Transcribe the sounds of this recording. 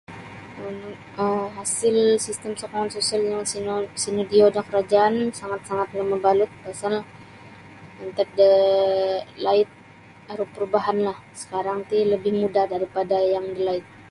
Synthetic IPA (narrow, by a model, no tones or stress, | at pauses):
un | əmɦasɪlsist̪əmsokoŋansosialjaŋsnsinərdiodankəɾad͡ʒaːnsaŋat̪̚saŋat̪̚ləmabalʊt̪̚pasal | ənt̪ək̚də | laɪt̪̚ | aɾʊhpəɾubaɦanlahsə̥kaɾaŋt̪iləbɪhmudahdaɾipadajaŋdəlaɪt̪̚